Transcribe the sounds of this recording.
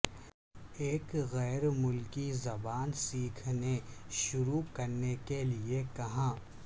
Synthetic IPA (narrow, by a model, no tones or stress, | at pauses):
eːkɣɛːɾmʊlkizɐbaːnsiːkʰneʃʊɾukɐɾnekeliekɐɦãː